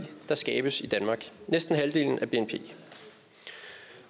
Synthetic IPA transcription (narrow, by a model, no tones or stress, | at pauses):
d̥ɑ̈sɡ̥ɛːb̥əsid̥ænmɑ̈ːɡ̥nesd̥n̩ɦæld̥e̝̰ːln̩ʔæb̥e̝enpʰe̝̰ː